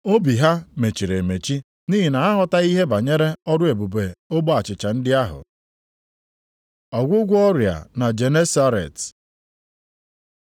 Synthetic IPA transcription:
o˦bi˨ɦa˦me˨t͡ʃi˨ɾe˨me˨t͡ʃi˦ | niː˦ɦi˨na˨a˦ɦɔ˨ta˦i˦ɦe˦ba˨ɲe˦ɾe˦ɔ˦dʊ˦e˨bu˨be˨o˦bɔ˦a˨t͡ʃɪ˨t͡ʃa˨n̩˦dɪ˦a˦ɦʊ̰˨ | ɔ˨ɡʷʊ˦ɡʷʊ˦ɔ˦ɾja̰˨na˨d͡ʒe˨ne˦sa˦ɾḛ˨t

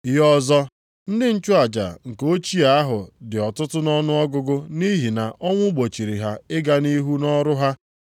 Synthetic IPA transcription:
jɔ˦zɔ˦ | n̩˦dɪ˦n̩˦t͡ʃʊ˦a˨d͡ʒa̰˨ŋ̩˨ko˦t͡ʃi˦a˦a˦ɦʊ˨dɪ˨ɔ˨tʊ˦tʊ˦nɔ˦nʊ˦ɔ˦ɡʊ˦ɡʊ˦ni˦ɦi˨na˨ʔɔ˦ŋʷʊ˦ɡ͡bo˨t͡ʃi˨ɾi˨ɦa˦ɪ˦ɡa˦ni˦ɦu˦nɔ˦ɾʊ˦ɦa˦

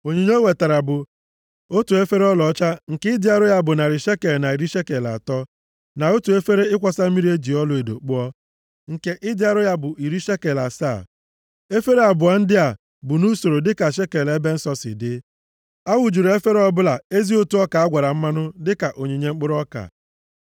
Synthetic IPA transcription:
o˨ɲe˨ɲe˦we˨ta˨ɾa˨bʊ˨ | o˦tu˨e˦fe˦ɾe˦ɔ˦lɔ˨˦t͡ʃa˦ŋ̩˨kɪ˦ɪ˦dɪ˦a˦ɾʊ˦ja˦bʊ˨na˨ɾɪ˨ʃe˦ke˨lna˨i˨ɾi˦ʃe˦ke˨la̰˨tɔ˦ | na˨o˦tu˨e˦fe˦ɾe˦ɪ˦kʷa˨sa˦mi˦ɾi˦e˦d͡ʒi˨ɔ˦lʊ˨˦e˨do̰˨k͡pʊ˦ɔ˦ | ŋ̩˨ke˦ʔɪ˦dɪ˦a˦ɾʊ˦ja˦bʊ˨ʔi˨ɾi˦ʃe˦ke˨la˨sa̰˦˨ | e˦fe˦ɾe˦a˨bʊ˨a˨n̩˦dɪ˦a˨ | bʊ˨nu˦so˨ɾo˨dɪ˦ka˨ʃe˦ke˨le˦be˦n̩˦sɔ˦sɪ̰˨dɪ˦ | a˦wu˨d͡ʒu˨ɾe˦fe˦ɾe˦ɔ˦bʊ˦la˨e˦zi˦o˦tu˨˦ɔ˦ka˨a˦ɡʷa˨ɾa˨m̩˦ma˦nʊ˦dɪ˦ka˨ʔo˨ɲe˨ɲe˦ŋ͡m̩˦k͡pʊ˦ɾɔ˦ka̰˨

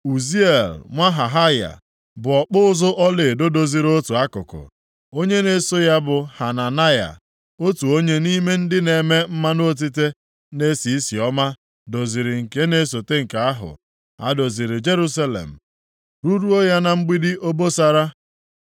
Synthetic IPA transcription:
u˨zi˦e˨lŋʷa˦ɦa˨ɦa˦ja̰˨ | bʊ˨ɔ˨k͡pʊ˦ʊ˦zʊ˦ʔɔ˦lɪ˨do˦do˨zi˨ɾo˦tu˨a˦kʊ˨kʊ̰˨ | o˦ɲe˦ne˨so˦ja˦bʊ˨ha˨na˨na˦ja̰˨ | o˦tu˨o˦ɲe˦ni˦me˦n̩˦dɪ˦ne˨me˦m̩˦ma˦no˦˨t̬i˦te˦ | ne˦si˨i˦si˨ɔ˦ma˦ | do˨zi˨ɾɪ˨ŋ̩˨ke˦ne˨˦s̬o˨te˦ŋ̩˨ka˨a˦ɦʊ̰˨ | a̰˨do˨zi˨ɾɪ˨d͡ʒe˦ɾu˦s̬a˦lḛ˨m̩˨ | ɾu˦ɾu˦o˦ja˦na˨ŋ͡m̩˦ɡ͡bi˦dɪ˦ʔo˦bo˦sa˨ɾa˦

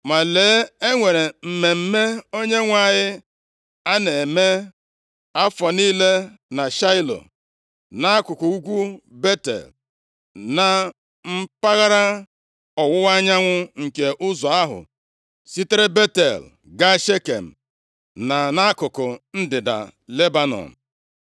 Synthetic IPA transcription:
ma˨le˨˦e˦ŋʷe˨ɾe˨m̩˨me˨m̩˦me˦o˦ɲe˦ŋʷa˦˨ɲɪ˦ | a˦ne˨me˦ | a˦fɔ˨niː˦le˦na˨ʃa˦ɪ˦lo̰˨ | na˦a˦kʊ˨kʊ˨u˦ɡʷu˦be˦tḛ˨l | na˨ | m̩˦pa˦ɣa˦ɾa˦ | ɔ˨wʊ˦wa˦ɲa˦ŋʷʊ˦ŋ̩˨ke˨ʔʊ˦zɔ˨a˦ɦʊ̰˨ | si˦te˦ɾe˦be˦tḛ˨l | ɡa˦ʃe˦kḛ˨m̩˨ | na˨na˦a˦kʊ˨kʊ˨n̩˦dɪ˨da̰˨le˦ba˨nɔ̰˨m̩˨

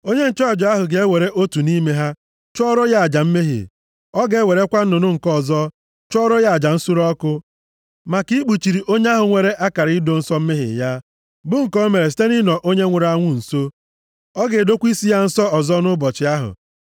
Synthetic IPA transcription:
o˦ɲe˦n̩˦t͡ʃɔ˦˨d͡ʒɔ˨˦a˦ɦʊ˨ɡe˨e˦we˨ɾe˦ʔo˦tu˨ni˦me˦ɦa˦ | t͡ʃʊ˦ɔ˦ɾɔ˦ja˦a˨d͡ʒa˨m̩˦me˦ɦḭ˨ | ɔ˦ɡe˨˦e˦we˨ɾe˦kʷa˦n̩˦nʊ˨nʊ˦ŋ̩˨kɔ˦˨zɔ˦ | t͡ʃɔ˦ɾɔ˦ja˦a˨d͡ʒa˨n̩˦su˦ɾɔ˦kʊ˦ | ma˨ki˦k͡pu˨t͡ʃi˨ɾi˨ʔo˦ɲe˦a˦ɦʊ˨ŋʷe˨ɾe˦ʔa˦ka˨ɾi˦do˨n̩˦sɔ˦m̩˦me˦ɦɪ̰˨ja˦ | bʊ˦ŋ̩˨kɔ˦me˨ɾe˨s̬i̥˦te˦ni˦nɔ˨ʔo˦ɲe˦ŋʷʊ˨ɾa˦ŋʷʊ˦n̩˨so˦ | ɔ˦ɡe˨do˦kʷi˦si˦ja˦n̩˦sɔ˦ɔ˨zɔ˦nʊ˦bɔ˨t͡ʃɪ˨a˦ɦʊ̰˨

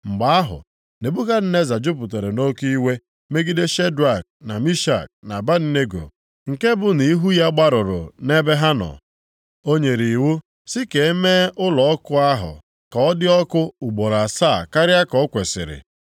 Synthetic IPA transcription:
ŋ͡m̩˨ɡ͡ba˨a˦ɦʊ̰˨ | ne˨bu˦ka˦n̩˦ne˦za˨d͡ʒʊ˦p̬ʊ˨t̬e˨ɾe˨no˦ki˦we˦ | me˦ɡi˦de˦ʃe˦dɾa˨k̚na˨mi˦ʃa̰˨k̚na˨ba˦n̩˦ne˦ɡo̰˨ | ŋ̩˨ke˦bʊ˨ni˨i˦ɦu˦ja˦ɡ͡ba˦ɾʊ˨ɾʊ̰˨ne˦be˦ɦa˦nɔ̰˨ | o˦ɲe˨ɾi˨wu˦ | sɪ˦ke˨e˦me˦ʔʊ˦lɔ˨ɔ˦kʊ˦a˦ɦʊ̰˨ | ka˨ɔ˦dɪ˦ɔ˦kʊ˦ʊ˨ɡ͡bo˨ɾa˨sa˦˨ka˦ɾja˦kɔ˨˦kʷe˨sɪ̰˨ɾɪ̰˨

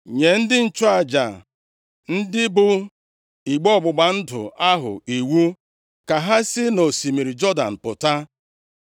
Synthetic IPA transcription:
ɲe˨n̩˦dɪ˦n̩˦t͡ʃʊ˦a˨d͡ʒa̰˨ | n̩˦dɪ˦bʊ˦ | i˨ɡ͡bɔ˦˨ɡ͡bʊ˨ɡ͡ba˨n̩˦dʊ̰˨a˦ɦʊ̰˨i˨wu˦ | ka˨ɦa˦sɪ˦no˨si˨mi˨ɾi˨d͡ʒɔ˦da̰˨n̩˨pʊ˨ta˦

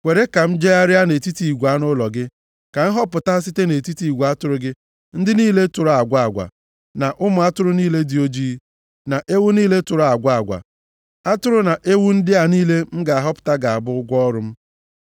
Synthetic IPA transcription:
kʷe˨ɾe˦ka˨m̩˦d͡ʒe˦ja˦ɾɪ˦a˦ne˨ti˦ti˨i˨ɡʷa˦nʊ˦lɔ˨ɡɪ˦ | ka˨n̩˦ɦɔ˦pʊ˨ta˦s̬i˦te˦ne˨ti˦ti˨i˨ɡʷu˨a˦tʊ˦ɾʊ˦ɡɪ˦ | n̩˦dɪ˦niː˦le˦tʊ˨ɾa˨ɡʷa˦˨a˨ɡʷa̰˨ | na˨ʔʊ˦mʊ˨a˦tʊ˦ɾʊ˦niː˦le˦di˨o˦d͡ʒi˦ | na˨ʔe˦wu˦niː˦le˦tʊ˨ɾʊ˨a˨ɡʷa˦a˨ɡʷa̰˨ | a˦tʊ˦ɾʊ˦na˨ʔe˦wu˦n̩˦dɪ˦a˨niː˦le˦m̩˦ɡa˨a˨ɦɔ˦pʊ̥˨ta˦ɡa˨a˨bʊ˦ʊ˦ɡʷɔ˦ɾʊ˦m̩˦

